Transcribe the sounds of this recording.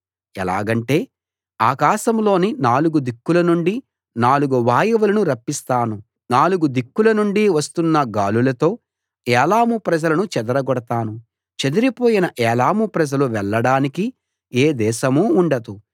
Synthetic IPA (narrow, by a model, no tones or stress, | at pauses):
ɛla̰ːɡɐɳʈe̞ː | aːkaːʃɐmlo̞ːninaːluɡud̪ikːulɐnuɳɖi | naːluɡuʋaːjɐʋulɐnuɾɐpːist̪aːnu | naːluɡud̪ikːulɐnuɳɖiʋɐst̪unːɐɡaːlulɐt̪o̞ː | ɛːlaːmupɾɐd͡ʒɐlɐnut͡ʃɛd̪ɐɾɐɡɔɽɐt̪aːnu | t͡ʃed̪uɾipoːjinɐʔɛːlaːmupɾɐd͡ʒɐluʋɛɭːɐɽaːniki | eːd̪ɛːʃɐmuːɳɖɐd̪u